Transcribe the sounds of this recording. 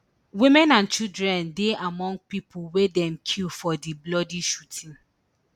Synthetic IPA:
wĩmɛ̃nãnt͡ʃildɹɛ̃ndeʔamɔ̃ŋɡ̚pipʰwedɛ̃mkʰilfɔdiblɔdiʃutʰĩn

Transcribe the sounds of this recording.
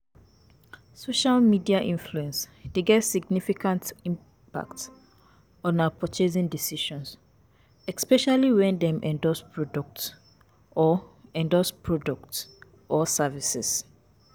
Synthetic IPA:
soʃalmidiaʔĩnfluɛ̃ns | deɡɛtsiɡnifikãntĩm | pa̰kt | ɔ̃napʰɔt͡ʃezĩndisiʃɔ̃ns | ɛspɛʃaliwɛ̃ndɛ̃mʔɛ̃ndɔspɹɔdɔk̚t | ɔɛ̃ndɔspʰɹɔdɔk̚ts | ɔsavisɛ̰s

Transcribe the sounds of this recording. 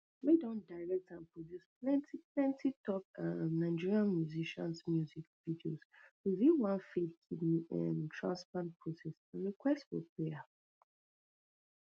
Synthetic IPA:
ledɔ̃ndaɪɹɛk̚tãnpʰɹɔdjusplɛ̃ntʰiplɛ̃ntʰitʰɔpãnːaɪd͡ʒiɹiãnmjuziʃã̰nsmjuzikvidiozwiðĩnwãnfitnɛ̃ntʰɹãnsplãnt̚pʰɹɔsɛsãnɹikʰwɛstfɔ̰pʰɹea

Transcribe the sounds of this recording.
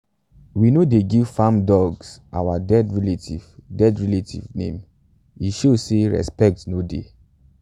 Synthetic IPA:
winodeɡivfãmdɔɡsʔa̰wadɛdɹɛletḭv̥dɛdɹɛletʰḭvnḛ̃m | iʃoseɹɛ̰spɛk̚tnodḛ

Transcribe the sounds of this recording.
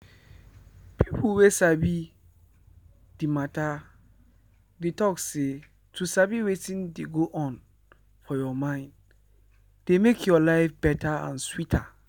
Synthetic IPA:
pʰipʰwesabi | d̥imãtʰa | detʰɔkse | tʰusabiwetʰĩndeɡoʔɔ̃n | fɔjɔmãɪ̃nd | d̥emekʰjɔlaɪfbɛtʰaã̰nswitʰa

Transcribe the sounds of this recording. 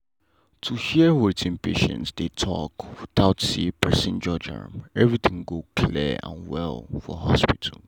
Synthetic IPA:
tʰuhiəwitʰɪ̃npeʃə̰̃ntsd̪etʰɔ̰kwdaʊtsipʰɛsĩnd͡ʒɔd͡ʒə̰̃mɛvɹit̪ʰɪ̃ŋɡokʰlḭã̰nwɛ̰lˠfɔ̰hɔspitʰəl

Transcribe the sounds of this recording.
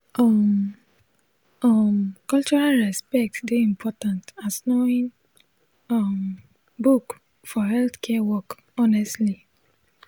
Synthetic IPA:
ɔm | ɔmkɔlt͡ʃɔɹalɹɛspɛk̚tsdeĩmpʰɔtãntasnoĩn | ɔm | buk | fɔɦɛlθkʰɛwɔk | ɔnɛstli

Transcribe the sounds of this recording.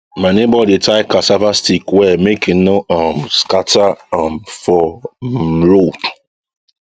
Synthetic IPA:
manebɔditaɪkasavastikwɛmekɪnoɔmskataamfɔ | ɾot

